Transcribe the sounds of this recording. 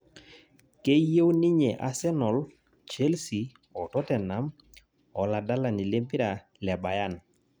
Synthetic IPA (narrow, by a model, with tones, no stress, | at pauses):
ke˦je˦wni˦ɲe˨ʔa˦sɛ˦nɔ˨l | t͡ʃɛ˦lsi˨ | ɔ˨tɔ˦tɛ˨na˨˦m | ɔ˨la˨da˦la˨ni˨le˦mpi˦ɾa˨ | lɛ˨ba˨ja˦˨n